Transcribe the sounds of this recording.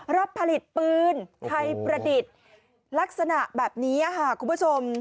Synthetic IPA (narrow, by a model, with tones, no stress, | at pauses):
ɾa˦˥pʰːa˧li˨˩t̪̚pɯː˧nt̪ʰa˧jpɾa˧di˨˩t̪̚ | la˦˥k̚sa˧na˨˩ʔbɛː˨˩p̚niː˦˥ʔa˨kʰa˦˥˩kʰu˨˧mbʰu˦˥t͡ɕʰo˧m